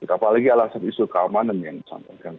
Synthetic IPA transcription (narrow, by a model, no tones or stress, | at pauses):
kut̪apalaɡialasanisukəamananjaŋdisa̰mpakan